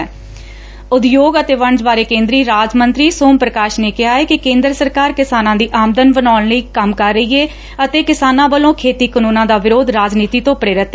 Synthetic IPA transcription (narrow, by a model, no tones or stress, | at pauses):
ʊd̪joːɡət̪eːʋəɳd͡ʒbaːɾeːkẽːnd̪ɾiːɾaːd͡ʒmənt̪ɾiːsoːmpɾəkaːʃneːkɪɦaːɛːkɪkẽːnd̪ɾəsəɾkaːɾkɪsaːnãːd̪iːʔaːmd̪ənbənaːnləiːkəmkəɾːəiːeː | ət̪eːkɪsaːnãːbəlõːkʰeːt̪iːkənũːnãːd̪aːʋɪɾoːd̪ɾaːd͡ʒniːt̪iːt̪õːpəɾeːɾɪt̪ːɛː